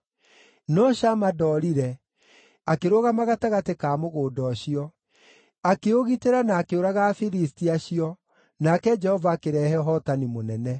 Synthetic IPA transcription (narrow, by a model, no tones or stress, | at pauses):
nɔɕamadɔɾiɾɛ | akeɾoɣamaɣataɣatekaːmoɣoːdɔɕiɔ | akeoɣiteɾanaːkeoɾaɣaːfiɾistiaɕiɔ | nakɛd͡ʒɛhɔvaːkeɾɛːhɛɔɦɔtanimonɛnɛ